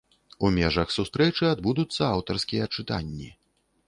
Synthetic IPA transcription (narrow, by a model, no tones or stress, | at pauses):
umʲɛʐɐxsust̪ɾɛt͡ʂɨad̪bud̪ut̪sːɐawt̪ɐrskʲijɐt͡ʂɨt̪a̰nʲːḭ